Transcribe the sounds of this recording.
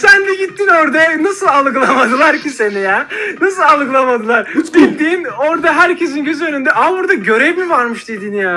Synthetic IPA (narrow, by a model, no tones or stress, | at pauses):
sænd̪ɛɟit̪ʰːino̞ɾd̪anasɯlˠalˠɯɡlˠamad̪ɯlˠaɾcise̞nijɛːnasɯlˠalˠɯklˠamad̪ɯlˠaɾɟit̪ːiːno̞ɾd̪aɦæɾcʰe̞s̬inɟø̞zø̞nynd̪ɛʔamabuɾd̪aɟø̞ɾɛvmivaɾmɯʃd̪̥ed̪injaː